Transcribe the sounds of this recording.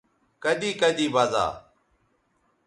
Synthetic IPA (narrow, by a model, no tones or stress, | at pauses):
kəʄiːkəʄiːbaːza̰ː